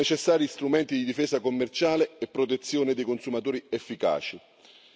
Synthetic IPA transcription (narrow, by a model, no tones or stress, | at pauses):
et͡ʃesːaːɾist̪ɾumɛnt̪id̪id̪ifeːsakomːert͡ʃaːleepːɾot̪et̪sːjoːned̪ejkonsumat̪oːɾiefːika̰ːt͡ʃi